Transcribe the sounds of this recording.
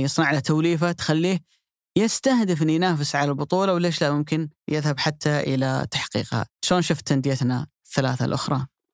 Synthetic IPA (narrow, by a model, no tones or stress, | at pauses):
jɨsˤnɑʕlat̪awliːfat̪xalːiːh | jɪst̪ahd̪ɪfɪnːujnaːfɪsʕalalbʊt̪ˤuːlawleːʃlamʊmkɪnjɪðhabħat̪ːaʔɪ̰la̰t̪ḁħqḭːqha̰ʃoːnʃʊft̪ːand̪ɪjat̪na | θːalaːθa̰lʔʊxɾˤɑ